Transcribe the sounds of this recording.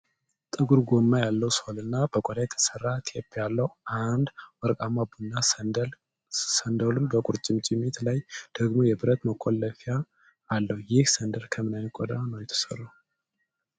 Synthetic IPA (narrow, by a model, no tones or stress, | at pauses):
t̪ʼɨɡuɾɡo̞mːajalːəwsolɨnːab̥əkʼod̪ajɛt̪ʰə̥sərːat̪ʰjepʰːialːəhand̪wɔɾkʼamabunːa | sənd̪əlunbəkʼuɾt͡ʃʼɪmt͡ʃʼɪmit̪lajd̪̥əɡmojɛbɨɾət̪məkʰːolːəfijaː | lːəhujɪhsənd̪əɾkʰəmɨnajnəkʼod̪anəwjɛt̪ʰːə̥sə̰rːu